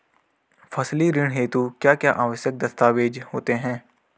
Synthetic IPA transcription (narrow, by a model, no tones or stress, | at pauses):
fʰɐsliɾɪɽ̃ɦeːt̪ukjaːkjaːʔaːʋəʃjək̚d̪ɐst̪aːʋeːd͡ʒhoːt̪eɦɛ̃ː